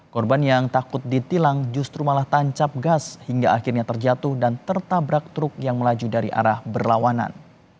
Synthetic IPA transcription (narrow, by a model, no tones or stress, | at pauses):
kɔrbanjaŋt̪akʊt̪̚dit̪ilaŋd͡ʒust̪ɾumalaht̪aɲt͡ʃap̚ɡashiŋɡa̰akɪrɲat̪ərd͡ʒat̪ʊhdant̪ərt̪abɾak̚t̪ɾʊk̚jaŋməlad͡ʒudaɾiʔa̰ɾahbərlawana̰n